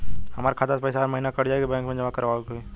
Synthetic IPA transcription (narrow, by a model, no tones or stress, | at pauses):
hɐmaːɾekʰaːt̪aspəjsaːɾmɐɦinakɐɽd͡ʒaːeɡibɛ̃ːŋkmẽd͡ʒɐmakɐɾʋaːoɡoi